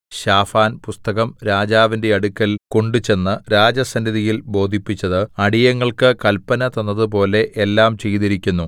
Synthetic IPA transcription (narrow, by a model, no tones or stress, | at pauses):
ɕaːfaːnpust̪ɐɣɐmɾaːd͡ʑaːʋinde̞ɐɽukʲːɐlko̞ɳɖut͡ɕe̞nːɨɾaːd͡ʑɐsɐndiðijilbo̞ːd̪ʱipːit͡ɕːɐðɨɐɽijɐŋːɐɭkɨkɐlpːɐnɐt̪ɐnːɐðɨp̬o̞ːle̞ʔelːaːmt͡ɕe̞jt̪iɾikʲːunːu